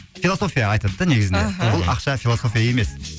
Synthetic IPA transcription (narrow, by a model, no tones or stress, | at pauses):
filˠoso̞fijɑɑjt̪ɑd̪əd̪əne̞ɡʲɪzɪnd̪ebʊlˠɑqʃɑfilˠoso̞fijaje̞me̞s